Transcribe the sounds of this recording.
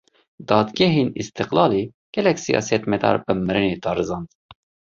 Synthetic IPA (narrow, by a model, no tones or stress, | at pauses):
d̪ɑːd̪ɡɛɦeːnḭst̪ɨqlɑːliː | ɡ̥ɛlɛksijɑ̰ːsɛt̪mɛd̪ɑ̰ːɾbɨmɨɾɨneːd̪ɑːɾɨzɑːnd̪